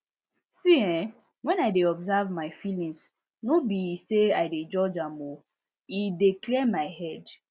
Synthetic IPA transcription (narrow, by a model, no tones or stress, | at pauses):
siɛ̃ | wɛ̃naɪdeɔbzavmaɪfilĩŋs | nobiseaɪded͡ʒɔd͡ʒamo | ideklɛmaɪɦɛd